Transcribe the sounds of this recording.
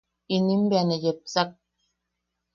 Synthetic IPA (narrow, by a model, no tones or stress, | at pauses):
inimbianejep̚sak̚